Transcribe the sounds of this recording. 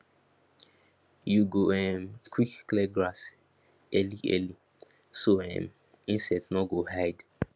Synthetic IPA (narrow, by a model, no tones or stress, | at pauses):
juɡoɛmkʰwikːlɛɡɹas | ɛliʔɛ̰li | soɛ̰̃m | ĩnsɛtsnɔɡohajd